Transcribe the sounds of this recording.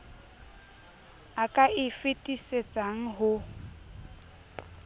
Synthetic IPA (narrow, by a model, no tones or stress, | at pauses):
akʼaʔɪfɪtʼiset͡sʼaŋ̩ɦʊ